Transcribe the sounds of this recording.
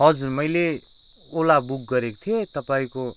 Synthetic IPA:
ɦʌd͡zurmʌjle | olabuk̚ɡʌɾekot̪ʰiet̪ʌpaĩko

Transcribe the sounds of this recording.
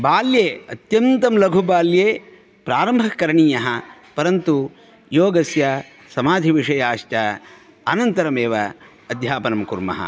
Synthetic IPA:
baːljeːɐt̪jɐnt̪ɐmlɐɡʱubaːljeː | pɾaːɾɐmbʱɐkɐɾɐɳiːjɐɦɐpɐɾɐnt̪u | joːɡɐsjɐ | sɐmaːd̪ʱiʋiʂɐjaːʂʈɐ | ɐnɐnt̪ɐɾɐmeːʋɐː | d̪ʱjaːpɐnɐmkuɾmɐ̰ɦɐ̰

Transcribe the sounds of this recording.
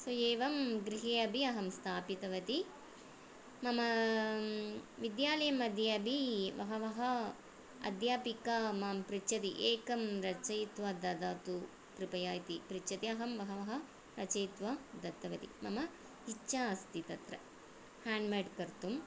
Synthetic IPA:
sɐjeːʋɐmɡɾiɦeːɐbʱiɐɦɐmst̪ʰaːpit̪ɐʋɐt̪i | mɐmɐ | ʋid̪jaːlɐjɐmɐd̪ʱjeɐbʱiʋɐɦɐʋɐɦɐ | ɐ̰d̪jaːpikɐmaːmpɾit͡ʃɐt̪iʔeːkɐmɾɐt͡ʃɐjt̪ʋɐd̪ɐd̪aːt̪u | kɾipɐjaːjt̪ipɾit͡ʃɐt̪iɐɦɐmʋɐɦɐʋɐɦɐ | ɾɐt͡ʃɐjt̪ʋɐd̪ɐt̪ːɐʋɐt̪ḭmɐmɐ | it͡ʃːt͡ʃːaːɐst̪it̪ɐt̪ɾɐ | haːɳɖmeɖkɐɾt̪um

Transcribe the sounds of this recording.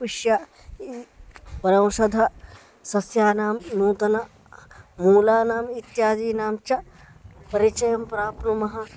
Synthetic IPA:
ʋiʃja | ipɐɾɐ̃w̃ʃɐd̪ʱɐ | sɐsjaːnaːmnuːt̪ɐnɐ | muːlaːnaːmit̪jaːd͡ʒ̪iːnaːmt͡ʃɐ | pɐɾit͡ʃɐjɐmpɾaːpnumɐɦɐ̆

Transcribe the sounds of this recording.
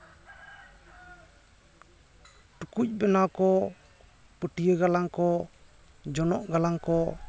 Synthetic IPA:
ʈukuc̚ˀbɛnakɔ | pəʈijəɡalaŋkɔ | d͡ʒɔnɔʔɡalaŋkɔ

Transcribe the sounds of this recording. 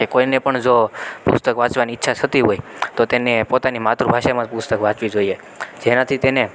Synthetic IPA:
kekoinepəɳd͡ʒopʊst̪əkʋãt͡ʃʋaniːtːʃʰaʃʰət̪iɦoit̪ot̪enepot̪animat̪ɾubʱaʃamãpust̪əkʋãt͡ʃʋid͡ʒoije | d͡ʒenat̪ʰit̪ene

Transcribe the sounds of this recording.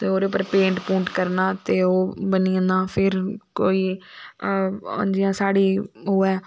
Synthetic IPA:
t̪eːoːɾeːʊp̬ːəɾpẽːɳʈpũːɳʈkəɾnaːt̪eːoːbəniːə̃nd̪ãːpʰɪɾkoːiː | ə̰̃nd͡ʒɪjãːsaːɽiːɦoːɛː

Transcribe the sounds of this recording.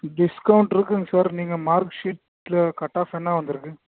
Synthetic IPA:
ɖɪskɐwʊɳʈɪɾɯkːɯŋɡɐsaːɾniːŋɡɐmaːɾkʂiːʈ | lɐkɐʈːaːfɛnːaːʋɐnd̪ɯɾɯkːɯ̃

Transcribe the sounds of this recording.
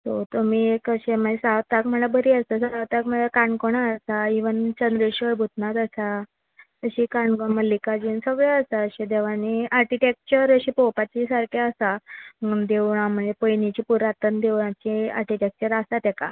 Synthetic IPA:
t̪ot̪omiːekəɕeməesawt̪akm̤əɳabəɾiəst̪əsəɾawt̪akm̤əakaɳkoɽ̃aəsaiʋənt͡ɕənd̪ɾiɕəɭbʱut̪nat̪əsa | əɕiːkaɳɡoməlːikad͡ʑinsəɡɭaəsaəɕẽd̪eʋaniaɾkiʈek̚t͡ɕəɾəɕipopat͡ɕisaɾkʰeəsa | d̪ewɳ̃am̤əɳepəjnit͡ɕiːpuɾat̪ənd̪eʋɳ̃ãt͡ɕia̰ɾkiʈek̚t͡ɕəɾasat̪ɛka̰

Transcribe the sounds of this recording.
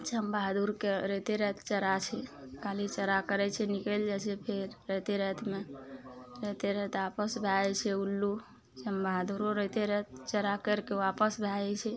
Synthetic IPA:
t͡ʃəmbaɦd̪uɾkeɾət̪eɾət̪ʰt͡ʃəɾat͡ʃʰɛkalit͡ʃəɾakəɾɛt͡ʃʰɛnikəld͡ʒat͡ʃʰɛpʰeɾːət̪eɾət̪ʰme | ɾət̪eɾət̪apəsbʱajɛt͡ʃʰɛulːu | t͡ʃəmbʱaɦd̪uɾoɾəɦt̪eɾət̪̚t͡ʃəɾakəɾkeʋapəsbʱajɛt͡ʃʰɛ

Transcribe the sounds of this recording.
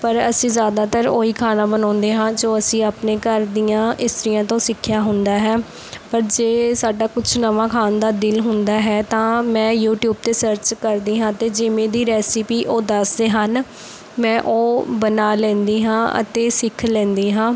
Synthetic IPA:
pəɾəsĩːzjaːd̪aːt̪əɾoːiːkʰaːnaːbənɔ̃ːnd̪eːɦãːd͡ʒoːəsĩːaːpnẽːkəɾd̪ijãːʔɪst̪ɾɪjãːt̪õːsɪkʰːjaːɦʊnd̪aːɦɛː | pəɾd͡ʒeːsaːɖaːkʊt͡ʃʰnəʋãːkʰaːnd̪aːd̪ɪlɦʊnd̪aːɦɛːt̪ãːmɛ̃ːjuːʈjuːb̚t̪eːsəɾt͡ʃkəɾd̪iːɦãːt̪eːd͡ʒɪʋẽːd̪iːɾɛːsɪpiːʔoːd̪əsd̪eːɦən | mɛ̃ːʔoːbənaːlɛ̃ːnd̪iːɦãːʔə̰t̪eːsɪkʰlɛ̃ːnd̪iːɦãː

